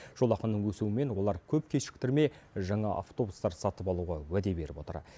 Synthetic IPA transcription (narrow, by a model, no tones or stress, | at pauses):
ʒ̥o̞lˠɑqənːəɴwɵsuwɪme̞nwo̞lˠɑɾkʲʰɵp̚kʲʰesʃɪ̥k̚t̪ɪɾme̞ | ʒɑɴɑʔa̰ft̪o̞bust̪ɑɾsɑt̪əpɑlˠuʁɑwæd̪e̞be̞ɾɪpo̞t̪ə̰ɾ